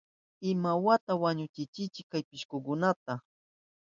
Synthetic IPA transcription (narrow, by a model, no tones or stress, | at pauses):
ɪmawat̪awaɲʊt͡ʃɪt͡ʃɪt͡ʃɪkːajpɪʃkʊkʊnat̪a